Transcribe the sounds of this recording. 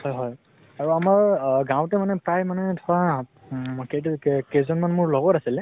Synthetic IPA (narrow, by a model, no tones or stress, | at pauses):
hɔjɦɔj | aɹuamaɹɡãw̃tɛmanɛpɹajmanɛtʰɔwa | ketkezɔnmanmʊɹlɔɡɔtasilɛ